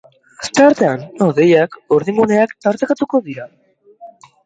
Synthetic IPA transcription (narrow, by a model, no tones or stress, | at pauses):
st̪aɾt̪e̞anoðe̞jakoɾðiŋɡuneakt̪aɾt̪ekat̪uko̞ðiɾa